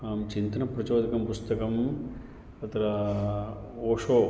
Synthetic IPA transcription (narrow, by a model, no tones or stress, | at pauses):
mt͡ʃint̪ɐnɐpɾɐt͡ʃoːd̪ɐkɐmpust̪ɐkɐm | ɐt̪ɐɾɐ | oːʂoː